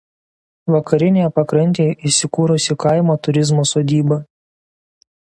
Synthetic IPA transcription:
ʋɐkɐɾʲɪnʲejɛpɐkɾɐnʲt̪ʲeːjɛʔɪsʲɪkuːɾʊsʲɪkɐɪmoːt̪ʊɾʲɪzmoːsoːd̪ʲiːbɐ

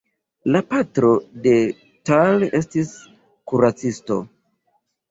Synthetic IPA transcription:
lapatɾo̞de̞ | tale̞stis | kuɾat͡sisto̞̰

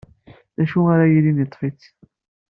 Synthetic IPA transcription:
ðæʃuaɾajilinit̪ˤːfit͡s

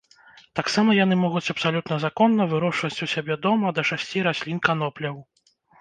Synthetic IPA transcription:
t̪aksamɐjanɨmɔɣut͡sʲɐpsalʲut̪nɐzakɔnːɐvɨɾɔʂvɐt͡sʲusʲabʲɛd̪ɔmɐd̪ɐʂasʲt͡sʲiɾasʲlʲinkanɔplʲɐw

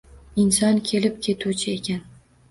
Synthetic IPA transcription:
ɪnsɒnkʲʰe̞lɪp̚kʲʰe̞t̪ʰut͡ʃʰɪekʲʰan

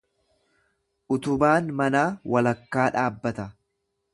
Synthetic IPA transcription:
ʔʊt̪ʊbaːnmɐnaːwɐlɐkːaːᶑaːbːɐt̪ɐ

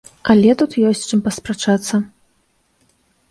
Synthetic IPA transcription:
ɐlʲɛt̪ut̪jɔsʲt͡sʲt͡ʂɨmpɐspɾat͡ʂat̪sːɐ

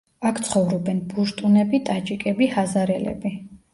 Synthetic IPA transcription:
akʰt̪sʰχɔvɾɔbɛnbuɾt̪ʼunɛbit̪ʼat͡ʃʼikʼɛbihazaɾɛ̰lɛ̰bi

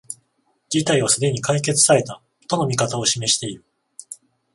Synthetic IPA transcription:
d͡ʑit̪aiβasɨd̪e̞ɲ̟ikaik̬e̞t͡sɨ̥saɾe̞t̪a | t̪o̞no̞mʲikat̪ao̞ɕime̞ɕi̥t̪e̞iɾɯ̟

